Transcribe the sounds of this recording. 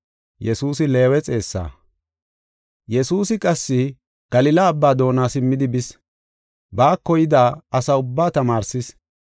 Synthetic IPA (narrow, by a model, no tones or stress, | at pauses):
jɛsuːsɪle̞ːwɛt͡sʼe̞ːsːa̰ː | jɛsuːsɪkʼɐsːɪ | ɡ̥ɐlɪlaːbːaːd̪o̞ːnaːsɪmːɪd̪ɪbɪs | baːkːɔjɪd̪aːɐsɐʊbːaːt̪ɐmaːɾsɪs